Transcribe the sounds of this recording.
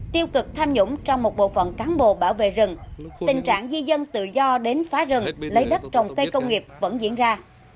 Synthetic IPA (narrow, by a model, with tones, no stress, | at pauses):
t̪i˧əwkɨ˨˩k̚t̪ʰaː˧mɲʊ̰˧˥ŋ͡mt͡ɕɔ˧wŋ͡mmo˨˩t̚ɓo̰˧˨fə̰˧˨nkaː˨˦nɓo̰˧˨ɓaː˧˩wvḛ˧˨zɨ˨˩ŋt̪ï˨˩ŋ̟t͡ɕa̰ː˧˨ŋzi˧zə˧nt̪ɨ̰˧˨zɔ˧ɗe˨˦nfaː˨˦zɨ˨˩ŋlə˨˦jɗə˦˥t̚t͡ɕə˨˩wŋ͡mkə˧jkə˧wŋ͡mŋi˨˩əp̚və̰˧˥nzḭ˧˥ənzaː˧